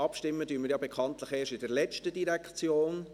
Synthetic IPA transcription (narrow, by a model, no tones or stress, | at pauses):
ɑpʃtɪmːədyːənmɪɾjɑːbekʰɑntləχeːʃtɪdəɾlɛt͡ʃtədiɾɛkt͡sjoːn